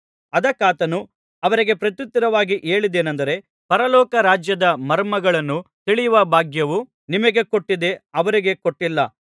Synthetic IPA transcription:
ɐd̪ɐkːaːt̪ɐnu | ɐʋɐɾiɡe̞pɾɐt̪jut̪ːɐɾɐʋaːɡiʔe̞ːɭid̪e̞ːnɐnd̪ɐɾe̞ | pɐɾɐlɔːkɐɾaːd͡ʒjɐd̪ɐmɐɾmɐɡɐɭɐnːut̪iɭijuʋɐbʱaːɡjɐʋu | nimɐɡe̞ko̞ʈːid̪e̞ɐʋɐɾiɡe̞ko̞ʈːilːɐ

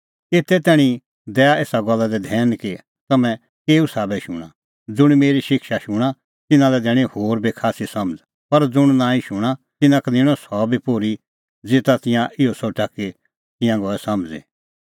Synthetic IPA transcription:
eːt̪ɛt̪ɛːɽ̃i | d̪ɛːaeːsaɡɔlːad̪ɛd̪ʱɛːnki | t̪ɐmɛ̃ | keːusaːbɛʃʊ̰ɽ̃a | d͡zʊɽ̃meːɾiʃɪkʃaʃʊɽ̃a | t̪ɪnãlɛd̪ɛːɽ̃ihoːɾbʱikʰaːsisɐməd͡z | pɐɾd͡zʊɽ̃nãːĩʃʊɽ̃a | t̪ɪnãknɪ̃ɽ̃ɔsɔbʱipoːɾi | d͡zeːt̪at̪ɪ̃jãʔɪosoʈaki | t̪ɪ̃jãɡɔːɛsɐmd͡zḭ

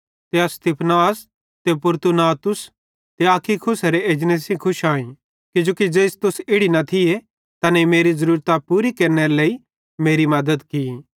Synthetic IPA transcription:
t̪east̪ipʰnaːs | t̪ep̬ʊɾt̪unaːt̪ʊs | t̪eaːkʰːikʰʊsɐɾeeːd͡ʒneːsĩkʰʊʃaːĩ | kɪd͡ʒoːkid͡ʒeːst̪ʊsɪɽinɐt̪ʰɪje | t̪ɐnẽimeːɾizɐɾuːɾt̪apuːɾikɐɾneɾeleːi | meːɾimɐd̪əd̪kii

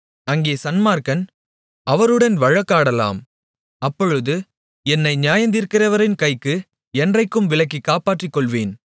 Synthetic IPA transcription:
ɐŋɡeːsɐnmaːɾkɐn | ɐʋɐɾɯɽɐnʋɐɻɐkːaːɽɐla̰ːm | ɐpːɔɻɯðɯ | ɛnːɐɪɲjaːjɐnd̪iːɾkɪrɐʋɐɾɪnkɐɪkːɯ | ɛndrɐɪkːɯmʋɪlɐk̬ːikːaːpaːʈrɪkːɔɭʋeːn

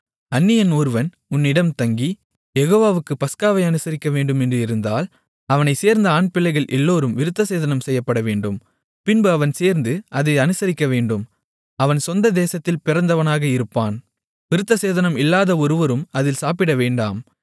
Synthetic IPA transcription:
ɐnːɪjɐnoːɾʋɐn | ʊnːɪɽɐmt̪ɐŋɡi | jɛɣoːʋaːʋɯkːɯpɐskaːʋɐɪɐnɯsɐɾɪkːɐʋeːɳɖɯmɛndrɯɪɾɯnd̪aːl | ɐʋɐnɐɪseːɾnd̪ɐaːɳpɪlːɐɪɣɐɭʔɛlːoːɾɯmʋɪɾɯt̪ːɐseːðɐnɐmsɛjːɐpːɐɽɐʋeːɳɖɯm | pɪnbɯɐʋɐnseːɾnd̪ɯʔɐðɐɪɐnɯsɐɾɪkːɐʋeːɳɖɯm | ɐʋɐnsɔnd̪ɐd̪eːsɐt̪ːɪlpɪɾɐnd̪ɐʋɐnaːɣɐɪɾɯpːaːn | ʋɪɾɯt̪ːɐseːðɐnɐmɪlːaːðɐɔɾɯʋɐɾɯmɐðɪlsaːpɪɽɐʋeːɳɖa̰ːm

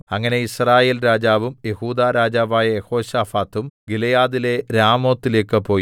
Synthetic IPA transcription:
ɐŋːɐne̞israːje̞ːlɾaːd͡ʑaːʋumje̞huːd̪aːɾaːd͡ʑaːʋaːjɐjeho̞ːɕaːfaːt̪ːumɡilɐjaːðile̞ɾaːmo̞ːt̪ːile̞ːkːɨpo̞ːji

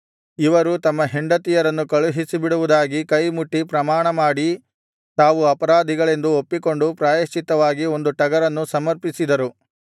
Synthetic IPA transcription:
iʋɐɾut̪ɐmːɐɦeɳɖɐt̪ijɐɾɐnːukɐɭuɦisibiɽuʋud̪aːɡikɐjmuʈːipɾɐmaːɳɐmaːɽi | t̪aːʋuɐpɐɾaːd̪ʱiɡɐɭe̞nd̪uopːiko̞ɳɖupɾaːjɐʃt͡ʃːit̪ɐʋaːɡio̞nd̪uʈɐɡɐɾɐnːusɐmɐɾpisid̪ɐɾu

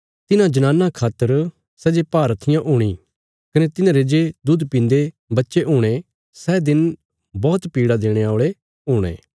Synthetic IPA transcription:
t̪ɪnãd͡ʒɐnaːnːakʰaːt̪əɾ | sɛd͡ʒepaːɾət̪ʰɪjãʔoːɽ̃i | kɐnet̪ɪnãɾed͡ʒed̪ʊd̪pɪ̃nd̪e | bɐtːʃeɦoːɽ̃e | sɛd̪ɪn | bɔːt̪piːɽad̪eːɽ̃eaoːɭe | ɦoːɽ̃ḛ̃ː

